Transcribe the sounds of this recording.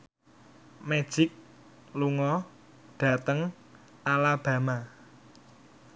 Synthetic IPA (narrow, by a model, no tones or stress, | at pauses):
med̥ʒ̥ɪk̚ | luŋɔ | ɖ̥ä̤t̪əŋ | alab̥ä̤ma